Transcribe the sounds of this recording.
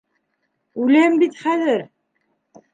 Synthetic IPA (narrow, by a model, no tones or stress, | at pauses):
ulæmbit̪χæðɘɾ